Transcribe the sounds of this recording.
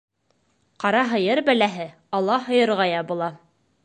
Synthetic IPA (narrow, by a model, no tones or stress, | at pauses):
qɑɾɑɦɤ̆jɤɾbælæɦɘ | ɑlˠːɑɦɤ̆jɤ̆ɾʁɑjɑbulˠɑ